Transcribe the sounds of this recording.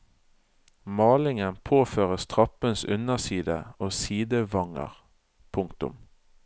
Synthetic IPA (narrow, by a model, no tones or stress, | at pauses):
mɑːlɪŋənpʰoːføːʁəst̪ʰʁɑpənsʉnəʁsiːd̪əoːsiːd̪əʋɑŋə̰ʁ | pʰʊŋkt̪ʊ̰m